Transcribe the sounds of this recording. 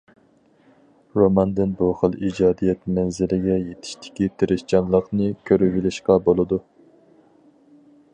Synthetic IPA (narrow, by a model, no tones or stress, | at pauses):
ɾomɑnd̪ɨnbuχəlˠid͡ʒɑːd̪ijɛt̪mɛnzɪlɪɡʲɛjet̪ʰɪ̥ʃt̪ʰɪ̥kʲit̪ʰeɾɪʃt͡ʃɑnlˠəqnɨkʲʰøɾyvilɪʃqɑbolˠɨd̪u